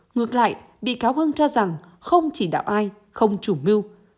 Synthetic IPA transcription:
ŋɨ˨˩ək̚la̰ː˧˨j | ɓḭ˧˨kaː˨˦whə˧nt͡ɕɔ˧za˨˩ŋ | xə˧wŋ͡mt͡ɕi˧˩ɗa̰ː˧˨wʔaː˧j | xə˧wŋ͡mt͡ɕu˧˩mi˧w

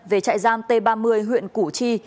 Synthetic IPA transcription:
ve˨˩t͡ɕa̰ː˧˨jzaː˧mt̪e˧ɓaː˧mɨ˧əjɦw̰ənku˧˩t͡ɕi˧

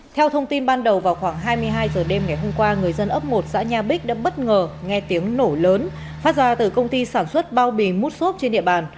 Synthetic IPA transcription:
t̪ʰɛ˧wt̪ʰə˧wŋ͡mt̪i˧nɓaː˧nɗə˨˩wvaː˨˩wxwaː˧˩ŋɦaː˧jmɨ˧əjɦaː˧jzəː˨˩ɗe˧mŋa˨˩jɦo˧mkwaː˧ŋɨ˨˩əjzə˧nʔə˦˥p̚ŋo˨˩t̚za̰ː˧˥ɲaː˧ɓi˦˥k̚ɗa̰ː˧˥ɓə˦˥t̚ŋəː˨˩ŋɛ˧t̪i˨˦əŋno˧˩ləː˨˦n | faː˦˥t̚zaː˨˩t̪ɨ˨˩kə˧wŋ͡mt̪i˧saː˧˩nswə˦˥t̚ɓaː˧wɓi˨˩mu˦˥t̚so˦˥p̚t͡ɕe˧nɗḭ˧˨əɓaː˨˩n

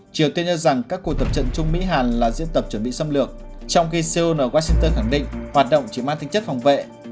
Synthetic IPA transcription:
t͡ɕi˨˩əwt̪i˧ənɲə˧za˨˩ŋkaː˦˥kːu˨˩ək̚t̪ə˨˩p̚t͡ɕə̰˧˨nt͡ɕʊ˧ŋ͡mmḭ˧˥ɦaː˨˩nlaː˨˩zḭ˧˥ənt̪ə˨˩p̚t͡ɕə˧˩nɓḭ˧˨sə˧mlɨ˨˩ək̚ | t͡ɕɔ˧wŋ͡mxi˧se˧o˧nʔəː˧˩waː˧sï˧ŋt̪əː˧nxa˧˩ŋɗḭ̈˧˨ŋ̟hwaː˨˩t̚ɗə̰˧˨wŋ͡mt͡ɕi˧˩maː˧nt̪ʰa˧ŋt͡ɕə˦˥t̚fa˨˩wŋ͡mvḛ˧˨

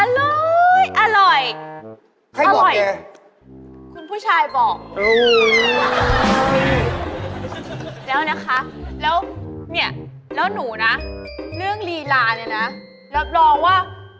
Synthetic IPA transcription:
ʔa˧lɤː˧jʔa˧ɾɔ˨˩j | kʰa˥˩a˧lːɔ˨˩jɛ˧˩ | kʰu˧npʰuː˥˩t͡ɕʰaː˧jbɔː˨˩k̚ʔɤː˧wa˨˩˧ɤ˧j | lɛː˦˥wna˦˥kʰa˦˥lɛː˦˥wni˥˩ɐə | lɛː˦˥wnuː˩˦na˦˥lɯ˥˩əŋliː˧laː˧na˧˩na˦˥ | lɛː˦˥wlɔː˧waː˥˩

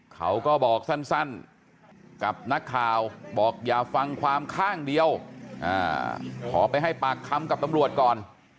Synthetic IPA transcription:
kʰa˦˥wkɔː˥˩bɔː˨˩k̚sa˥˩nsa˥˩n | ka˨˩p̚na˦˥kʰːaː˨˩wbɔː˨˩k̚jaː˨˩fa˧ŋkʰwaː˧mkʰaː˥˩ŋdi˧əwʔa̰ː˧˩kʰɔː˩˦pa˧jɦa˥˩jpaː˨˩kʰːa˧mka˨˩p̚t̪a˧mɾu˨˩ət̪̚kɔː˨˩n

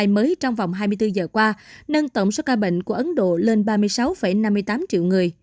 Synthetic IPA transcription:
jməː˨˦jt͡ɕɔ˧wŋ͡mva˨˩wŋ͡mɦaː˧jmɨ˧əjt̪ɨ˧zəː˨˩kwaː˧nə˧nt̪ə˧˩wŋ͡mso˦˥kaː˧ɓə̰˧˨ŋ̟ku˧˩əʔə˨˦nɗo̰˧˨le˧nɓaː˧mɨ˧əjsa˨˦wfə˧˩jna˧mːɨ˧əjt̪aː˨˦mt͡ɕḭ˧˨wŋɨ˨˩əj

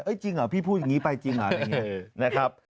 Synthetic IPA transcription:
ʔɤ˦˥jt͡ɕi˧ŋʔa˨˩pʰiː˥˩pʰuː˥˩t̪̚ja˨˩ŋi˦˥pa˧jt͡ɕi˧ŋʔa˨˩a˧ŋi˥ɐna˦˥kʰɾa˦˥p̚

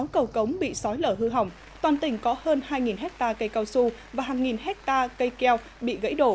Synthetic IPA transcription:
a˨˦wkə˨˩wkə˨˦wŋ͡mɓḭ˧˨sɔ˨˦jləː˧˩ɦɨ˧ɦa˨˩wŋ͡m | t̪waː˨˩nt̪ï˧˩ŋ̟kɔ˨˦həː˧nhaː˧jŋi˨˩nɦɛ˦˥k̚t̪aː˧kə˧jka˧wsu˧vaː˨˩ɦaː˨˩ŋːi˨˩nɦɛ˦˥k̚t̪aː˧kə˧jkɛ˧w | ɓḭ˧˨ɣə̰˧˥jɗo˧˩

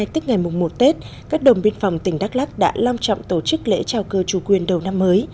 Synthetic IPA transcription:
jt̪ɨ˦˥k̚ŋa˨˩jmʊ˨˩ŋ͡mmo˨˩t̚t̪e˦˥t̚ | kaː˦˥k̚ɗo˨˩nɓi˧ənfa˨˩wŋ͡mt̪ï˧˩ŋ̟ɗaː˦˥k̚la˦˥k̚ɗa̰ː˧˥la˧wŋ͡mt͡ɕɔ̰˧˨wŋ͡mt̪o˧˩t͡ɕɨ˦˥k̚lḛ˧˥t͡ɕaː˧˩wkəː˧˩t͡ɕu˧˩kwi˨˩ənɗə˨˩wna˧mːəː˨˦j

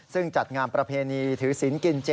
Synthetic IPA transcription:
sɯ˥˩ŋt͡ɕa˨˩t̪̚ŋaː˧npɾa˧pʰeː˧niː˧t̪ʰɯː˩˦si˩˦nki˧nt͡ɕe˧

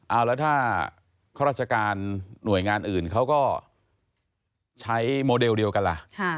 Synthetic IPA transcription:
ʔa˧˩wlɛː˦˥wt̪ʰaː˥˩ | kʰaː˥˩ɾaː˥˩t͡ɕa˧kaː˧nːu˨˩əjŋaː˧nʔɯː˨˩nkʰa˦˥wkɔː˥˩ | t͡ɕʰa˦˥jmoː˧de˧wdi˧ə˧wka˧nla̰˨˩ʔkʰa˥˩

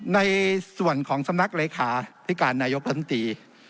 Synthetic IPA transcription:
na˧jsu˨˩ənkʰɔː˩˦ŋsa˧mna˦˥k̚leː˧kʰaː˧˩t̪ʰiː˦˥˩kaː˧nːaː˧jo˦˥k̚a˦˥˩nt̪ʰɾiː˧

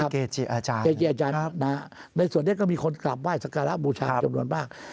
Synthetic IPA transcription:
a˦˥˩keː˨˩t͡ɕi˨˩ʔaː˧t͡ɕaː˧eː˨˩t͡ɕi˨˩ʔaː˧t͡ɕaː˧nːa˦˥ | na˧jsu˨˩əni˥˩˨kɔː˥˩miː˧kʰo˧nkla˨˩p̚waː˥˩jsa˧˥kaː˧la˦˥ʔbuː˧t͡ɕʰaː˧t͡ɕa˧mnu˧ənmaː˥˩k̚

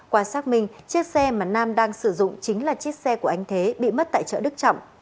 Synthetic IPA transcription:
kwaː˧saː˦˥t̚mï˨˩ŋ̟t͡ɕi˦˥ək̚sɛ˧maː˨˩naː˧mɗaː˧ŋsɨ˧˩zʊ̰˧˨ŋ͡mt͡ɕï˨˦ŋ̟laː˨˩t͡ɕi˦˥ət̚sɛ˧ku˧˩əʔa˧jŋ̟t̪ʰe˨˦ɓḭ˧˨mə˦˥t̚t̪a̰ː˧˨jt͡ɕə̰ː˧˨ɗɨ˦˥k̚t͡ɕɔ̰˧˨wŋ͡m

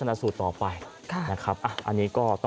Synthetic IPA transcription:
a˧na˧ʔsuː˨˩t̪ːɔː˨˩pa˧j | kʰna˦˥kʰɾa˦˥p̚ʔa˨˩ʔa̰˧nːiː˦˥kɔː˥˩t̪ɔ˥

